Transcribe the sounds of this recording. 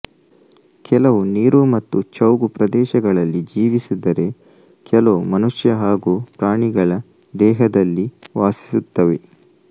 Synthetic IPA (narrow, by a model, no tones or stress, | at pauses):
kʰɛlɐʋuniːɾumɐt̪ːut͡ʃɐwɡupɾɐd̪ɛːʃɐɡɐɭɐlːid͡ʒiːʋisid̪ɐɾe̞ | kʰɛlɐmɐnuʂjɐɦaːɡuːpɾaːɳiɡɐɭɐ | d̪ɛːɦɐd̪ɐlːiʋaːsi̥sut̪ːɐʋe̞